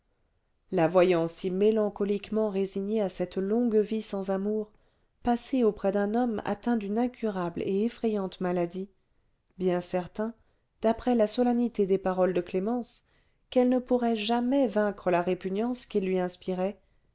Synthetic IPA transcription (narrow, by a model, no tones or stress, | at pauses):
lavwajɑ̃simelɑ̃kɔlikmɑ̃ʁeziɲeasɛt̪lɔ̃ɡvisɑ̃zamuʁ | paseopχɛd̪ɛ̃nɔma̰t̪ɛ̃d̪ynɛ̃kʰʲyʁablḛːfχɛjɑ̃t̪malad̪i | bjɛ̃sɛʁt̪ɛ̃ | d̪̥apχɛlasɔlanit̪ed̪epaʁɔld̪əklemɑ̃s | kɛlnəpuʁɛʒamɛvɛ̃kχəlaʁepynjɑ̃skʲilːɥiɛ̃spiʁɛ